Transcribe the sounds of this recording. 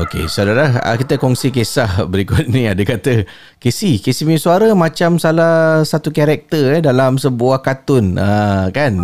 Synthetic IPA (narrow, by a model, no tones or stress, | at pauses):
okḛsalalahə̰kit̪əkɔŋsikesahbəɾikʊt̪̚nĩadəkat̪ə | kesikesimisuaɾəmãt͡ʃamsalahsat̪ukaɾɛk̚t̪əɛdalamsəbuahkat̪ʊnəkan